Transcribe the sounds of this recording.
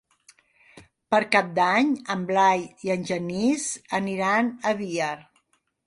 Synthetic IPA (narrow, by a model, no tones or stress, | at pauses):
pəɾkap̚d̪aɲəmblajiənʲʒənizəniɾanəβiəɾ